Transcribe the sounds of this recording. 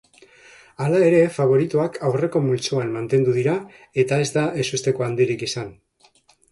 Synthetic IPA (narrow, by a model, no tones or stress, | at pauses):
alae̞ɾe̞faβ̞o̞ɾit̪uakʰawre̞ko̞mult͡suanmant̪e̞nd̪uðiɾa | e̞t̪ae̞zd̪aʔe̞sust̪e̞ko̞and̪iɾikisan